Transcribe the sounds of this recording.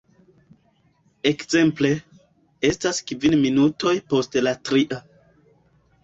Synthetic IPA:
e̞kze̞mple̞ | e̞staskvinminutʰo̞jpo̞stlatɾiʔa

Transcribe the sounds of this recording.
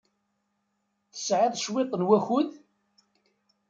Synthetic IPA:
θə̥sʕɪðˤʃwɪq̪ˤːnwæçʊð

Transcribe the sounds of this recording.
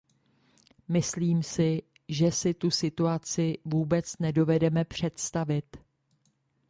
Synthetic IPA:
mɪsliːmsɪ | ʒɛsɪt̪usɪt̪uat͡sɪvuːbɛt͡snɛdo̞vɛdɛmɛpr̝̥ɛt̪st̪avɪt̪

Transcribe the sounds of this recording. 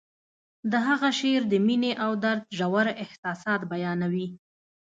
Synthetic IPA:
d̪əɦaɣaʃeɾd̪əmineʔawd̪aɾd̪ʒawaɾɪhsɑsɑt̪bajɑnawi

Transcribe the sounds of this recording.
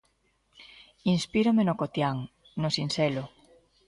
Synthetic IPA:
inspiɾomenokot̪jaŋ | nosinselo

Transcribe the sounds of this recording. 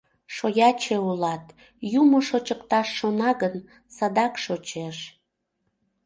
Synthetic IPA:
ʃojɑt͡ɕeulɑt̪ | jumoʃot͡ɕəkt̪ɑʃːonɑɣən | sɑd̪ɑkʃot͡ɕeʃ

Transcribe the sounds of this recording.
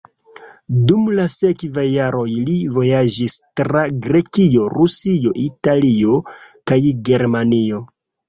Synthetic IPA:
dumlase̞kvajːaɾo̞jlivo̞jad͡ʒistɾaɡɾe̞kio̞ɾusio̞ʔitalio̞kajɡe̞ɾmanio̞

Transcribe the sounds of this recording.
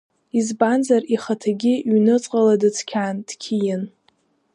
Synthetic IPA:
izbanzariχatʰaɡʲiɥnɨt͡sʼqʼaladɨt͡sʰkʲʰaːndkʲʰijɪn

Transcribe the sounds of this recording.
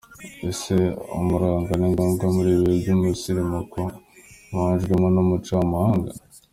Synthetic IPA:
eseo̰muɾaːŋɡaleŋɡaŋɡomuɾiβeɟimusiɾimokomuhaːnʒɡemonomut͡ʃamahaːŋɡa

